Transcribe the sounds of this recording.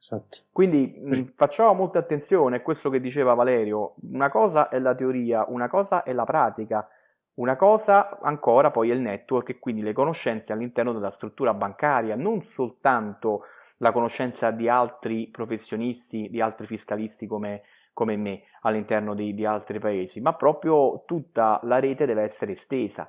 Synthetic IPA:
at̪ːo̥kwind̪ifat͡ʃːaːvomolt̪at̪ːent̪sjoːneɛkːwest̪oked̪ːit͡ʃeːvavalɛːɾjounakɔːzaʔɛlːat̪eoɾiːaʔunakɔːzaʔɛlapɾaːt̪ika | unakɔːzaa̰ŋkɔːɾapɔjɛilnɛt̪ːworkekːwind̪ilekonoʃːɛnt̪sealːint̪ɛrnod̪elːast̪ɾut̪ːuːɾabaŋkaːɾjanonsolt̪ant̪o | lakonoʃːɛnt̪sad̪ialt̪ɾipɾofesːjonist̪id̪ialt̪ɾifiskalist̪ikome | komemːe | alːint̪ɛrnod̪id̪ialt̪ɾipaeːzimapːɾɔːpɾjot̪ut̪ːalaɾɛːt̪ed̪ɛːveɛsːeɾest̪eːza̰

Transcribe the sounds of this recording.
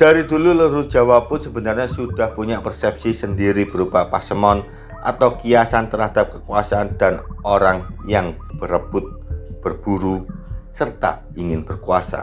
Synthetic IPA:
d̪̥aɾid̪ululəɾʊt̪̚dʒ̥awapʊnsəbənarɲasud̥ahpuɲaʔpərsɛp̚sisəndiɾib̥əɾupapasəmɔn | ʔa̰t̪awkijasant̪ərɦad̥ap̚kəkuasaʔand̪̥anoɾaŋjaŋ | b̥əɾəb̥ʊt̪̚b̥ərb̥uɾusərt̪a̰ | iŋɪnb̥ərkuasa̰

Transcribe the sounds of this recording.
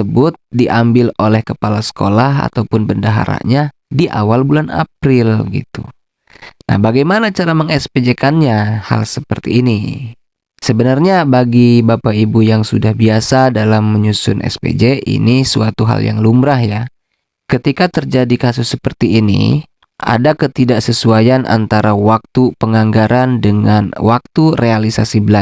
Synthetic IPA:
əbʊt̪̚diʔambɪlolɛhkəpalasə̥kolaɦa̰t̪aupʊnbəndaɦa̰ɾa̰ʔɲa | diʔa̰walbulana̰pɾɪlɡḭt̪ṵ | na̰hbaɡajmanat͡ʃaɾaməŋɛsped͡ʒekanɲaha̰lsəpərt̪ḭːni | səbənarɲabaɡibapaibujaŋsudahbiasadalamːəɲusʊ̰nʔɛ̰spḛd͡ʒeʔḭnisuat̪uɦa̰lja̰ŋlumbɾahja | kət̪ikat̪ərd͡ʒadikasʊsːəpərt̪iːnḭ | ʔa̰dakət̪idaʔsəsuajanʔa̰nt̪aɾawak̚t̪upəŋaŋɡaɾandəŋanwak̚t̪urealisa̰sibəla

